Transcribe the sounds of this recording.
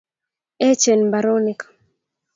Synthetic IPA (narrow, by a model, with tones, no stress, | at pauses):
ɛ˦t͡ʃe˨nba˨ɾo˦nɪ˨kḁ˨